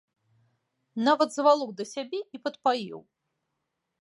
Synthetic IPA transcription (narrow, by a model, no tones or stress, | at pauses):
navɐd̪zvalˠɔwd̪ɐsʲabʲɛipɐt̪pajḭw